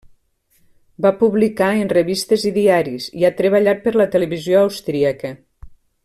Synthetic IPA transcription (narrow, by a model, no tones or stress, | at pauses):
bapuβlikaenreβist̪əziðiaɾiziat̪ɾəβəʎat̪̚pəɾlət̪əleβizjoawst̪ɾiəkə